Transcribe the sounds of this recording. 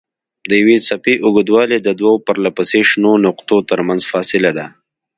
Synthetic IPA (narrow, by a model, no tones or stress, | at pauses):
d̪əjawesapeʔʊɡəd̪wɑled̪əd̪waopəɾlapaseʃnonʊqt̪ot̪əɾmanzfɑsɪlad̪a